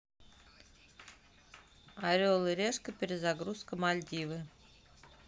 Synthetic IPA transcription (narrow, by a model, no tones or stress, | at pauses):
ɑɾʲolˠɨɾʲeʂkə̆pʲeɾʲɪzɑɡɾuskə̆mɑlʲd̪ʲivɨ